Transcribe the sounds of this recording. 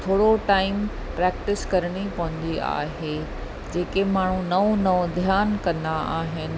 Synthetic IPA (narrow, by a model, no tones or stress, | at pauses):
t̪ʰoːɽoʈaːɪm | pɾɛːkʈɪskɐɾəɽ̃ipɐʋə̃n̆d̪iʔa̰ːɦe | d͡ʑeːkemaːɳ̤ũnɐõnɐõd̪ʱjaːnkɐ̃nd̪aʔaːɦɪnɪ̆